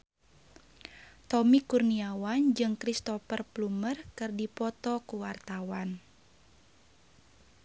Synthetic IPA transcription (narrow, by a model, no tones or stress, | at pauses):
t̪ɔmikurniawand͡ʒɨŋkɾist̪ɔfərplumərkɨrdipɔt̪ɔkuwart̪awan